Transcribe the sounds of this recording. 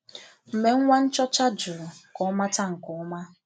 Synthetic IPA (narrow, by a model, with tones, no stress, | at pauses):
m̩˨me˨ŋ̩˦ŋʷa˦n̩˦t͡ʃɔ˦t͡ʃa˦d͡ʒʊ˨ɾʊ˨kɔ˨˦ma˦ta˦ŋ̩˨kɔ˨ɔ˦ma˦